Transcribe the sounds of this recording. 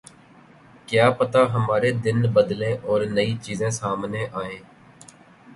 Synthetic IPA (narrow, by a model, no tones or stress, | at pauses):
kjaːpət̪aːɦəmaːɾeːd̪ɪnbəd̪lẽːʔɔːɾnəit͡ʃiːzẽːsaːmneːʔaːẽː